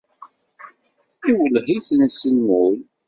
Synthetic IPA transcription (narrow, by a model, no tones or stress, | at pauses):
iwəlhiθnæsənːul